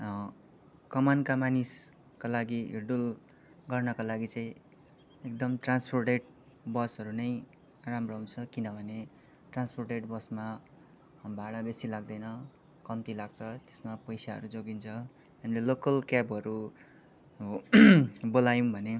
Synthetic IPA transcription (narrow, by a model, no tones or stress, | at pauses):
kʌmankamanis | kalaɡiɦḭrɖul | ɡʌrnʌkalaɡit͡sʌj̃ | ekd̪ʌmʈranspʰorʈeʈ̚ | bʌsɦʌɾunʌj | ramroɦawnt͡sʰʌkinʌbʱʌne | ʈransporʈeʈbʌsma | bʱaɽʌbesilaɡ̚d̪ʌjnʌ | kʌmt̪ilaɡ̚t͡sʰʌt̪e̥smapʌjsaɦʌ̰ɾud͡zoɡint͡sʰʌ | ɦamilelokʌlkapʌɾu | bolajũbʱʌne